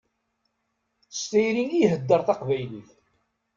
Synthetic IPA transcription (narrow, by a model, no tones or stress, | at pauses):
st̪æjɾiŋijɦəd̪ːəɾˤθɑqvæjliθ